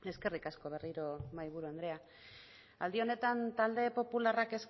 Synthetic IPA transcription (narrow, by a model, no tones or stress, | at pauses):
e̞ske̞rikasko̞β̞e̞riɾo̞majβ̞uɾue̞nd̪ɾe̞a | a̰ld̪io̞ne̞t̪ant̪ald̪e̞po̞pularake̞s